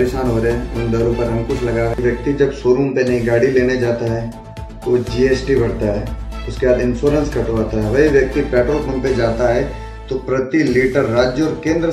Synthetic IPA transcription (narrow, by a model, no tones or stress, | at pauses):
pɾeʃaːnɦoːɾeʊɦẽd̪ɐɾõpɐɾɐ̃mkʊt͡ʃʰlɐɡaɦʋjɐk̚t̪id͡ʒɐbsoːɾũːmpenɐɦĩɡaːɽileːned͡ʒaːt̪aɦɛː | t̪od͡ʒiːeːsʈibʱɐɽ̤t̪aɦɛːʊskebaːd̪ɪ̃nsoːɾə̃nskɐʈoaːt̪aɦɛʋɐɦiʋjɐk̚t̪ipɛːʈoːpmɐ̃mped͡ʒaːt̪aɦɛ | t̪opɾɐt̪iliːʈəɾːaːd͡ʒjəɔːɾkẽːnd̪ɾə